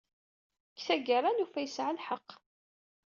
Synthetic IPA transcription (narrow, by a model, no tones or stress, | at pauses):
kθæɡəɾˤanufæjəsʕəlħəqː